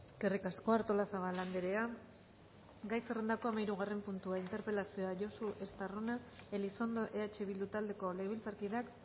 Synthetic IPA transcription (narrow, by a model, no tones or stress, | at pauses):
eeske̞rikasko̞aɾt̪o̞lasaβaland̪eɾe̞a | ɡajse̞re̞nd̪ako̞amajɾuɣ̞are̞mpunt̪uaint̪e̞ɾpe̞lasio̞aʝo̞suʔe̞st̪aronaeliso̞nd̪oʔe̞at͡ʃe̞βild̪ut̪ald̪e̞ko̞leɣeβilt͡saɾkiðak